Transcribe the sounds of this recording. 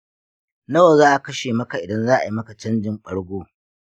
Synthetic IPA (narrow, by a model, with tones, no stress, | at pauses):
nɐ˦wa˨zaː˦ʔa˨kɐ˦ʃeː˨mɐ˦ka˨ʔɪ˨dɐ˦nzaː˦ʔa̰˨ji˦mɐ˦ka˨t͡ʃɐ˦nd͡ʒɪ˦˨ŋk͡pɐ˦ɽɡʷoː˦